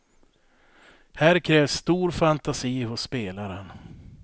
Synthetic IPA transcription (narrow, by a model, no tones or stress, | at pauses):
hæːɾkʰɾɛːvsːt̪uːɾfant̪asiːhʊsːpeːlaɾən